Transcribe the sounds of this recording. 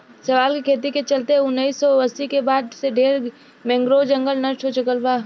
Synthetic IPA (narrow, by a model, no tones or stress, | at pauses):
sɐʋaːlkekʰeːt̪̬iket͡ʃɐlt̪eɦɛʊnːisːɔəsikebaːd̪seɖʱeːɾ | mɛ̃ːŋɡɾod͡ʒɐ̃ŋɡəlnɐɾʈʰɦot͡ʃʊkəlbaː